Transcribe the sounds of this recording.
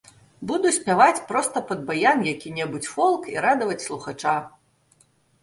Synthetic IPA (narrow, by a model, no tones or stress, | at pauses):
bud̪usʲpʲavat͡sʲpɾɔst̪ɐpɐd̪bajamjakʲinʲɛbut͡sʲfɔlˠkiɾad̪ɐvɐt͡sʲslˠuxat͡ʂa